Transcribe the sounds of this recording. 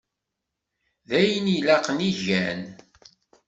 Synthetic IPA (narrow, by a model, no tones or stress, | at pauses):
ðæjənilæqəniʝæn